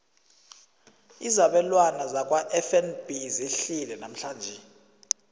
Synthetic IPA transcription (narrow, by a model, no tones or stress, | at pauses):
izaɓɛlwanazak̬ʼwaʔɛfɛnb̥izeɬilɛnam̩ɬaːnd͡ʒʱɛ